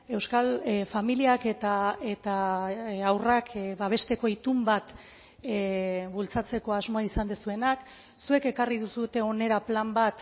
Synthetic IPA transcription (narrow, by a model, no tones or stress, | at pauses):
e̞wskalfamiliaket̪ae̞t̪a | awrakʰβaβ̞e̞st̪e̞ko̞it̪umbat̪ | βult͡sat͡se̞ko̞azmo̞aisand̪esue̞nak | sue̞ke̞karið̞usut̪e̞o̞ne̞ɾaplambat̪